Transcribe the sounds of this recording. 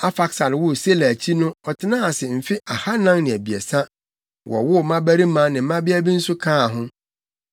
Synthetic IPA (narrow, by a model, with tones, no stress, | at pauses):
a˦fa˦ksa˨ɾwʊ˦˨se˦læ˨æ˨t͡ɕʰi˦nʊ̃˦ɔ˨tʰɪ˨nã˦a˨sɪ˨m̩˨fɪ˦a˨ha˦nã˦ŋnɪ̃˨æ˨bi˨ɛ̰˨sa˦ | wʔɔ̰˨wʊ˦˨mã˦bæ˦ɾi˦mã˦nɪ̃˨˦mã˦bɪ˦æ˦bi˦n̩˦sʊ˦kʰãː˦˨ɦʊ̃˦